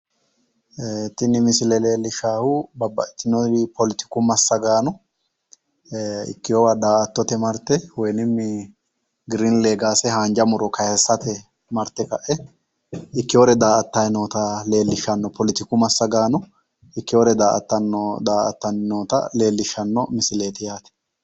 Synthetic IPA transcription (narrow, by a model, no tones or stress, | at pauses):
t̪ɪnɪmɪsɪlɛle̞ːlːɪʃaːhʊbɐbːɐʔɪt̪ːɪnɔɾɪpɔlɪt̪ɪ̥kʊmɐsːɐɡaːnɔ | ɪ̰kːɪjowad̪aːɐt̪ːɔt̪ɛmɐɾt̪ɛwɔjnɪmːɪ | ɡɪɾinleːɡaːsɛhaːnd͡ʒɐmʊɾɔkɐhɛsːɐt̪ɛ | mɐɾt̪ːɛkɐʔɛ | ɪkːɪjoɾɛd̪aːʔɐt̪ːɐjnoːt̪ɐle̞ːlːɪʃɐnːɔpʰɔlɪt̪ɪkʊmɐsːɐɡaːnʊ | ɪkːɪjɔɾɛd̪aːʔɐt̪ːɐnːɔd̪aːʔɐ̰t̪ːɐnɪnoːt̪ɐ̰le̞ːlːɪʃːɐnːɔmɪsɪle̞ːt̪ɪjaːt̪ɛ̥